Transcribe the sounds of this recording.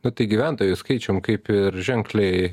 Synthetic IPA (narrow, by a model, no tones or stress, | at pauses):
nʊt̪ɐɪɡʲiʋʲænt̪oːjuskɐɪt͡ʃʲoːmkɐɪpɪɾʒʲɛŋklʲɛɪ